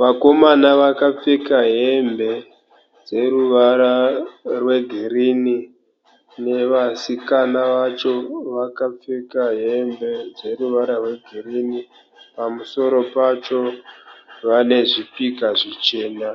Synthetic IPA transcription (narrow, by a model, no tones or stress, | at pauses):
ʋako̞manaʋakap͡fekaɦe̞mbe̞ | d͡ze̞ɾuʋaɾarwe̞ɡʱiɾiːni | ne̞ʋasikanaʋat͡ʃo̞ʋakap͡fekaɦembe̞d͡ze̞ruʋaɾarwe̞ɡʱiriːni | pamuso̞ɾo̞pat͡ʃo̞ | ʋane̞ʐipikaʐit͡ʃe̞ːna